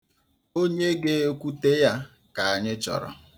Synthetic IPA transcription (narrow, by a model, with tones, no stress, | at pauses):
o˦ɲe˦ɡe˦kʷu˦te˦ja˦ | ka˨a˨ɲɪ˦t͡ʃɔ̰˨ɾɔ̰˨